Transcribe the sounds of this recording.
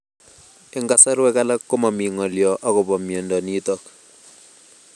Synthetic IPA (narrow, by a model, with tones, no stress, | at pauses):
e˦ŋɡa˦sa˦ɾwɛ˦ka˦la˦kːo˦ma˨mi˨ŋɔ˨ljɔ˨ʔa˦kɔ˨pɔ˨mjɔ˨ndɔ˨ni˦tɔ˨k